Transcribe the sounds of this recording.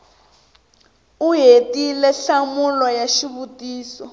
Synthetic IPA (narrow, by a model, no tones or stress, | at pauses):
uɦetilɛɬamulɔjaʃiβutiːsɔ